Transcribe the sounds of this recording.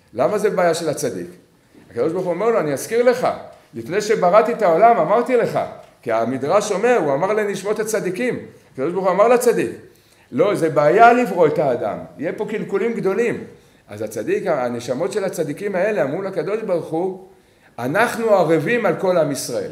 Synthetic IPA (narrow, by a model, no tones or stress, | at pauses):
lamazebeajaʃe̞lat͡sad̪ḭk | akad̪o̞ʃbaʁχuome̞ʁlo̞aniaskiʁle̞χa̰ | lifne̞jʃe̞baʁat̪iet̪ao̞lamamaʁt̪ile̞χa̰kiamid̪ʁaʃo̞me̞ʁuamaʁleniʃmo̞t̪hat͡sad̪ikimakadoʃbʁχuamaʁlat͡sad̪ik | lo̞ze̞baːjalivʁo̞et̪aːd̪a̰mjepo̞kilkulimɡd̪o̞lim | ʔa̰zat͡sad̪ikaane̞ʃamo̞t̪ʃe̞lhat͡sad̪ikimae̞leamʁulhakad̪o̞ʃbaʁχu | anaχnuaʁevimalko̞lamisʁae̞̰l